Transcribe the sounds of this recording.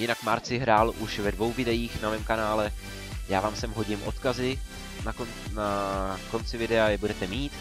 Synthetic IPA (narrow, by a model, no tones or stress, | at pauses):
jɪnakmaɾt͡sɪɦɾaːlʔuʃvɛdvo̞wvɪdɛjiːxnamɛːmkanaːlɛ | jaːvaːmsɛmɦo̞ɟɪmʔo̞̰t̪kazɪ | nakon | nako̞nt͡sɪvɪdɛajɛbudɛt̪ɛmiːt̪